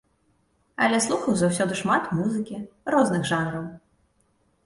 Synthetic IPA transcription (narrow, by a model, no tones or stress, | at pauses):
ɐ̰lʲɛslˠuxɐwzawsʲɔd̪ɨʂmat̪muzɨkʲirɔznɨɣʐanɾɐw